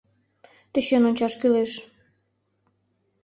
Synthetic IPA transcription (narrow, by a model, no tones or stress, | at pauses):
t̪ĕɕønonʲt͡ɕɑʃkyleʃ